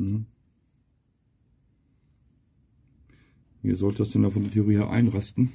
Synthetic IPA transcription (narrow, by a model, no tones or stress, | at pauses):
m̩hm̩ | vḭːɐzɔltəd̥asd̥ɛndafɔndeːɐtʰeʊʁiːheːɐʔa̰ɪnʁastn̩